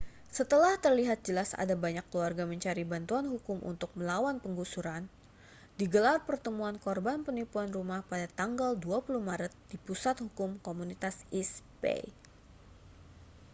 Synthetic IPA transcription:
sət̪əlaht̪ərliɦat̪̚d͡ʒəlasa̰dabaɲakːluarɡaməɲt͡ʃaɾibant̪uanɦukʊmʔṵnt̪ʊk̚məlawanpəŋɡusuɾan | diɡəlarpərt̪əmuankɔrbanpənipuanrumahpadat̪aŋɡalduapuluhmaɾət̪̚dipusat̪̚hukʊmkomunit̪asispḛ

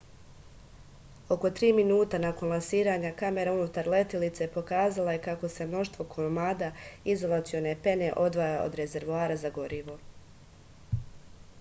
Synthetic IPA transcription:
o̞ko̞t̪ɾiːminuːt̪anako̞nlˠansiːɾaːɲakame̞ɾaunut̪aɾle̞t̪ilit̪sepo̞kaːzalaje̞kako̞se̞mno̞ʃt̪ʋo̞kʰomaːd̪aizo̞lˠat̪sijo̞ne̞pe̞ne̞ʔo̞d̪ʋajao̰d̪ɾe̞ze̞ɾʋoaːɾazaɡo̞ɾiʋo̞

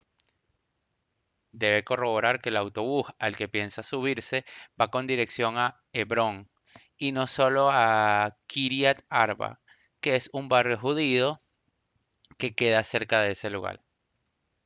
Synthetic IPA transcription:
d̪e̞βe̞ko̞ro̞βo̞ɾaɾke̞lawt̪o̞βusalke̞pje̞nsasuβ̞iɾsebako̞nd̪iɾe̞ksjo̞ŋa | eβɾo̞ŋ | ino̞so̞lo̞akiɾjat̪aɾβa̰ | ke̞esumbarjo̞xuðiðo̞ | ke̞ke̞ðase̞ɾkaðeese̞luɣa̰ɾ

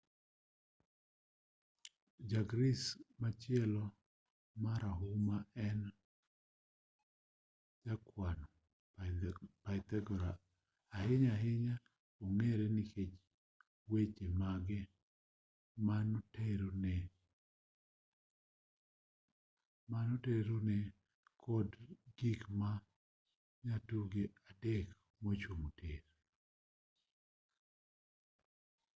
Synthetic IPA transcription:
d͡ʒaɡɾismat͡ʃɪɛlɔ | maɾaɦumaɛn | d͡ʒakwano | paɪt̪ɛɡɔɾa | aɦɪɲaɦɪɲa | oŋeɾenɪket͡ʃ | wet͡ʃemaɡɛ | manoteɾonɛ | manoteɾonɛ | kʰɔdɡikma | ɲatuɡeadɛk | mot͡ʃomoteɾ

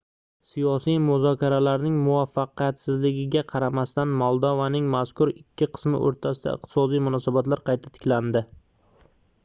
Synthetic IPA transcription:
sijɒsijmʊzɒkʲaɾalaɾnɪŋmʊvafːɑqijat̪sɪzlɪɡʲɪɡʲaqʰɑɾamast̪anmɒlˠd̪ɒvanɪŋmaskʰʊɾɪkʲʰːɪqʰɨ̥smɪ̰ʔo̰ɾt̪ʰasɪd̪a̰ɨ̰q̚t̪ʰɪ̥sɒd̪ijmʊnɒsabat̪laɾqʰɑjt̪ʰḁt̪ʰɪ̥kʲland̪ɪ

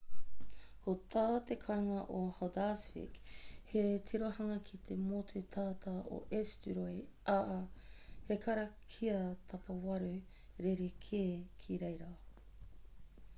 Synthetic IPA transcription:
kʰot̪ʰaːt̪ekʰaŋɐʔohod̪asfḭkhet̪ʰiɾohɐŋɐkʰit̪ʰemotʰut̪ʰaːt̪ʰɐo̰ʔestyɾojʔaʔɐhekʰɐɾɐkʰiɐt̪ʰɐpɐwɐɾʉ | ɾeɾekʰeːkʰiɾejɾɐ

